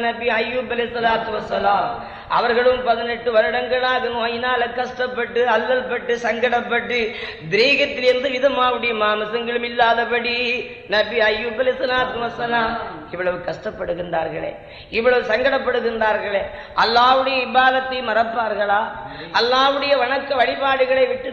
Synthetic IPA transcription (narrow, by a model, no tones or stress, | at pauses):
nɐbiɐjːuːbɐlɪɪsːɐlaːt̪ɯʋɐsːɐlaːm | ɐʋɐɾɣɐɭɯmpɐðɪnɛʈːɯʋɐɾɪɽɐŋɡɐɭaːɣɯnɯ̃ɐjɪnaːlɐkːɐʂʈɐpːɐʈːɯɐlːɐlpɐʈːɯsɐŋɡɐɽɐpːɐʈːɯ | d̪ɪɾiːɣɐt̪ːɪlɪɾɯnd̪ɯʋɪðɐmaːʋɯɽɐjɐmaːmɐsɐŋɡɐɭɯmɪlːaːðɐpɐɽi | nɐbɪaːjːubɐlɪst̪ːɐlaːt̪ɯmɐsɐlaːɪʋːɐɭɐʋɯkɐʂʈɐpːɐɽɯɣɪndraːɾɣɐɭḛː | ɪʋːɐɭɐʋɯsɐŋɡɐɽɐpːɐɽɯɣɪndraːɾɣɐɭeː | ʔɐlːaːʋɯɽɐjɐɪbaːðɐt̪ːɐɪjmɐɾɐpːaːɾɣɐɭaː | ʔɐlːaːʋɯɽɐjɐʋɐɳɐkːɐʋɐɭɪbaːɽɯɣɐɭɐɪʋɪʈːɯ